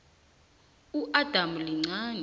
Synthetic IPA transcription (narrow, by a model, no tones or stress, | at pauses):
uʔad̥ʱamuliŋ͡ǀaːɲ